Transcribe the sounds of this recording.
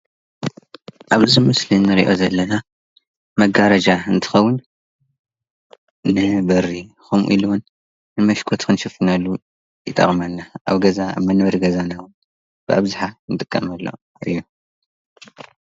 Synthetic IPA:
ʔaβɨzimɨslinːɨɾḭʔo̞zɐlːɐna | mɐɡaɾɐd͡ʒaɨnt̪ʰɨ̥xɐwːʊn | nɨbɐɾi | xomṵʔḭluwun | nɨmɐʃkʰot̪kʰɨnʃɨfɨnɐlːu | jɨt̪ʼɐ̰χʼmanːaʔa̰βɡɐzaa̰βmɐnβɐɾɡɐzanawu | b̥ɨaβzuħanɨt̪ʼɨkʼːɐmɐlːo̰ | ɨjːu

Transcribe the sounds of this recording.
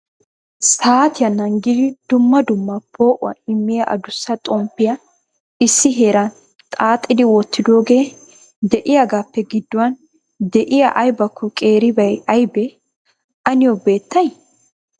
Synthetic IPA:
saːt̪ɪjɐnɐŋɡɪd̪ɪd̪̥ʊmːɐd̪ʊmːɐpʰo̞ːʔʊwɐ̰ɪmːɪjɐʔɐ̰d̪ʊsːɐt̪ʼɔmpːɪjɐ | ɪsːɪɦe̞ːɾɐn | t̪ʼaːt̪ʼːɪd̪ɪwɔt̪ːɪd̪o̞ːɡe̞ː | d̪ɛʔɪjaɡaːpːɛɡɪd̪ːʊwɐn | d̪ɛʔɪjɐʔɐjbɐkːʊkʼe̞ːɾɪbɐjɐjbɛ | ɐnɪjɔbe̞ːt̪ːɐj

